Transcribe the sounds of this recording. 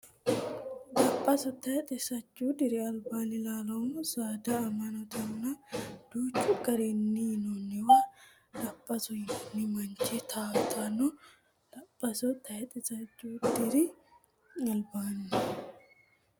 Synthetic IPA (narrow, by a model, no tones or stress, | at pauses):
dɐpʼːɐsɔt̪ɐjɛt̪ʼɛsɐt͡ʃʼːud̪ɪɾɪɐlbaːnɪlaːlɔmsaːd̪ɐːmɐnɔt̪ɐnːɐd̪̥uːt͡ʃːʊɡɐɾɛnːinɔnːɛwa | lɐpʼːɐsɔjɪnːɪmɐnt͡ʃːɛt̪ʰaːft̪ʰːanɔ | lɐpʼːɐsɔt̪ʰɐjɛt̪ʼɛsɐt͡ʃːud̪ɪɾɪ | ɐlbaːnɪ